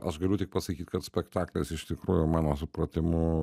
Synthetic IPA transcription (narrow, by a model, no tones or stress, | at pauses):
ʔɐʃɡɐlʲʊt̪ʲɪk̚pɐsɐkʲiːt̪ʲkɐt̪sʲpʲɛkt̪ɑːklʲeːsɪʃt̪ʲɪkɾuːjʊmɑːnoːsʊpɾɐt̪ʲɪmʊ